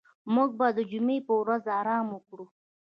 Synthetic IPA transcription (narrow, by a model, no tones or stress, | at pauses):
muɡ̚bɑd̪əd͡ʒumepəwɾazɑɾɑməkɽu